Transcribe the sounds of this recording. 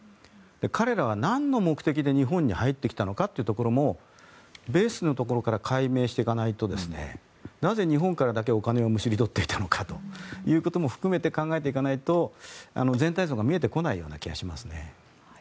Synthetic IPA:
d̪̥e̞kʰaɾe̞ɾaβ̞anãnːo̞mo̞kɯ̟t̪e̞kʲid̪e̞ɲ̟iɦõ̞ɲ̟ːihait̪ːe̞kʲi̥t̪ano̞kat̪ːeiɯ̟t̪oko̞ɾo̞mo̞ | be̞ːsɨno̞t̪o̞ko̞ɾo̞kaɾakʰaime̞ːɕi̥t̪e̞ikanait̪o̞d̪e̞sɨne̞̰ | naze̞ɲ̟iɦõ̞ŋkaɾad̪ake̞o̞kane̞omɯ̟ɕiɾʲid̪o̞t̪ːe̞i̥t̪ʰano̞kʰat̪o̞jɯ̟ːko̞t̪o̞mo̞ɸɯ̟̥kɯ̟me̞t̪e̞kãŋɡae̞t̪̬e̞ikanait̪o̞a̰no̞zent̪aizo̞ːɡamʲie̞t̪̬e̞ko̞naijo̞ːna̰kʲiɡa̰ɕimasɨne̞̰

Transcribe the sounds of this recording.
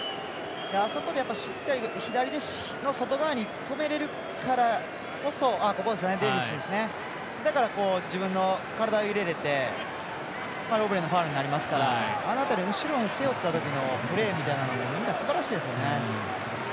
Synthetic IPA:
jaːso̞kod̪e̞japːaɕit̪ːaɾʲiçid̪aɾʲid̪e̞ɕ | no̞so̞t̪o̞ɡaeɲ̟it̪o̞me̞ɾe̞ɾɯ̟ | kaɾa | ko̞so̞ako̞ko̞d̪e̞s̬ɨjned̪e̞ːbisɨd̪e̞sɨne̞ | d̪akaɾako̞ːd͡ʑibɯ̃nːo̞kaɾad̪aoiɾe̞ɾe̞t̪e̞ | paɾɯo̞bɯ̟ɾe̞no̞ɸaːɾɯ̟ɲ̟inaɾʲimasɨ̥kaɾaːnat̪aniɯ̟ɕiɾõ̞ɰ̃se̞jo̞t̪ːat̪o̞kʲino̞pɯ̟ɾe̞ːmʲit̪ainanoɡomʲĩnːasɨbaɾaɕiːd̪e̞s̬ɨjone̞

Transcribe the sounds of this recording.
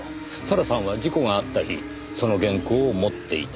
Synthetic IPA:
saɾasãɰ̃βad͡ʑiko̞ɡaːt̪ːaçḭ | so̞no̞ɡẽ̞ŋkoːmo̞t̪ːe̞ḭt̪

